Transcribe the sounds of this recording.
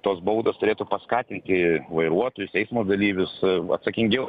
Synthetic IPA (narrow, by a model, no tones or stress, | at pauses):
t̪oːsbɐʊd̪oːst̪ʊɾʲeːt̪ʊpɐskɑːt̪ʲɪnʲt̪ʲɪʋɐɪɾuɔt̪oːjʊsʲɛɪsmoːd̪ɐlʲiːʋʲʊsɐ̰t̪sɐkʲɪŋʲɡʲɛʊ